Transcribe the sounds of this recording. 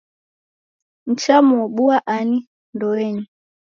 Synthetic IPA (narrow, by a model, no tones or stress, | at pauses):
n̩t͡ʃamuɔɓuaʔani | ndɔɛɲu